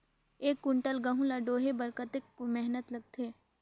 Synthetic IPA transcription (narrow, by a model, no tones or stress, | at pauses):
eːkːʊɳʈəlɡɐɦũlaɖoːɦebəɾkət̪ekmɛɦnət̪lɐɡ̚t̪ʰeː